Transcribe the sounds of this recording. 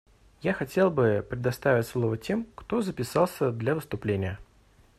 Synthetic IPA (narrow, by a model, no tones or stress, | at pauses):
jaxɐtʲe̞lˠbɨpɾʲɪd̪ɐst̪avʲɪtʲslˠo̞vətʲe̞mkt̪o̞zəpʲɪsɑlˠsʲəd̪lʲavɨst̪ʊplʲenʲɪjə